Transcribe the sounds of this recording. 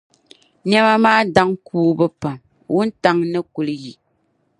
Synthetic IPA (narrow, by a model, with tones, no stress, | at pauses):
n˦ɛ˦ma˦maː˦da˦ŋkuː˦bɨ˦pa˨m | wu˦n˦ta˦ŋnɨ˦ku˨lɨ˦ji˨